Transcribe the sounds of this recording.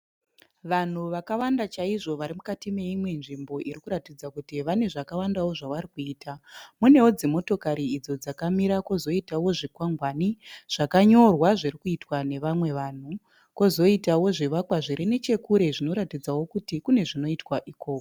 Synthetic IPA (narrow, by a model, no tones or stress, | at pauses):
ʋan̤uʋakawandat͡ʃaiʐo̞ʋaɾimukatime̞imwe̞nʐimbo̞ʔiɾikuɾatid͡zakutiʋane̞ʐakawandawo̞ʐaʋaɾikuiːtʰamune̞wod͡zimo̞to̞kaɾiːd͡zo̞d͡zakamiɾakozo̞itawo̞ʐikwaŋɡwaniʐ̥akaɲo̞rwaʐirikuitwane̞ʋamwe̞ʋan̤u | ko̞zo̞itawo̞ʐiʋakwaʐiɾene̞t͡ʃe̞kuɾe̞ʐino̞ɾatid͡zawo̞kutikune̞ʐino̞itwaʔikoːko